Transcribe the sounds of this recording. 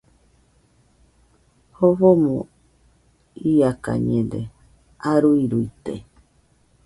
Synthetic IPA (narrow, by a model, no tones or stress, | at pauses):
hoβomõ | iaka̰ɲẽnd̪e | aɾuiɾuit̪ḛ